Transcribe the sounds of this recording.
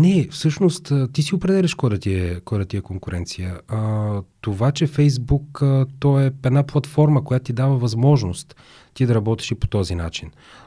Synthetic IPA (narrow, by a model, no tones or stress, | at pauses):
nɛfsɤʃnost̪ət̪isiopɾɛd̪ɛlʲɛʃkɔjd̪ɐt̪iɛkɔjd̪ɐt̪iɛkoŋkʊɾʔɛnt̪sijə | t̪ovat͡ʃɛfɛjzbukət̪ɔɛɛd̪naplˠɐt̪fɔɾməkojat̪ot̪id̪avɐvɐzmɔʒnost̪ː | id̪ɐɾɐbɔt̪i̥ʃipo̥t̪ɔzina̰t͡ʃin